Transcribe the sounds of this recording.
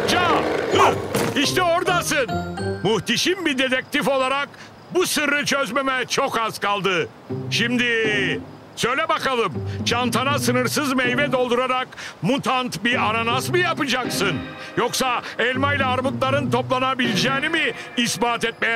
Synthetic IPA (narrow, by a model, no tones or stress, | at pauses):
t͡ʃad̪uɾiʃt̪ʰɛoɾd̪asɯnmuht̪iʃimbid̪e̞t̪ʰɛk̚t̪ifo̞lˠaɾak̚ | busɯɾɯt͡ʃʰøzmemɛt͡ʃʰo̞kaz̥kalˠd̪ɯ | ʃimd̪ɪ | sø̞jlʲɛbakalˠɯmt͡ʃant̪ʰanasɯnɯɾsɯzmɛjvɛd̪o̞lˠd̪uɾaɾakmut̪ʰant̪biananasmɯjapɯd͡ʒaksɯn | joksaɛlʲmajlʲaːɾmɯk̪lˠaɾɯnt̪ʰo̞plˠanabilʲd͡ʒɛːnimiː | sbaːt̪ɛt̪̚mɛj